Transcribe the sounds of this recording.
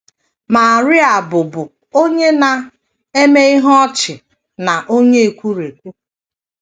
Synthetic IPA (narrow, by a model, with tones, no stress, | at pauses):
ma˨ɾɪ˦a˨bʊ˨bʊ˨ | o˦ɲe˦na˨ | e˦me˦i˦ɦɔ˦t͡ʃɪ˨ | na˨ʔo˦ɲe˦e˨kʷu˦ɾe˨kʷu˦